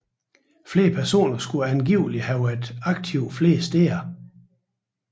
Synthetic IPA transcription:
fle̝ːɐpʰæɐso̝̰ːnɐsɡ̥uænɡ̥iʊ̰lihæʊed̥ɑ̈ɡ̥̚t͡sʰiʊ̰fle̝̰ːsd̥eːɐ

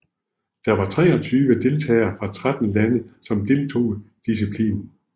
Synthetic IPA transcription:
d̥ɑ̈ʋɑ̈t͡sʰʁɛ̰ːɒ̽t͡sʰyːʋəd̥e̝lt͡sʰɛ̰ːɪɐfʁɑ̈t͡sʰʁad̥n̩lænəsɒ̽md̥e̝lt͡sʰo̝̰ːd̥is̬ipʰlḭːn

